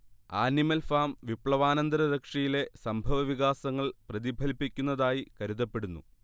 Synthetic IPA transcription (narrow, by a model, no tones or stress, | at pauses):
aːnimɐlfaːmʋipɭɐʋaːnɐnd̪ɐɾɐɾɐkʂijile̞sɐmbʱɐʋɐʋiɣaːsɐŋːɐɭprɐðibʱɐlpːikʲːunːɐðaːjikɐɾuðɐpːe̞ɽunːṵ